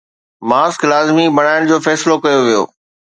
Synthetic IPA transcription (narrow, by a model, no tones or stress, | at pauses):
maːsklaːzmibɐɽ̤̃aːɪɽ̃d͡ʑoːfɛːsɪlokɐjoʋijo̰ː